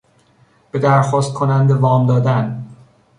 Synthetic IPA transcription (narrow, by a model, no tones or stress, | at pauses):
b̥e̞d̪æɾxɒːst̪̚kʰonænd̪evɒːmd̪ɒːd̪æn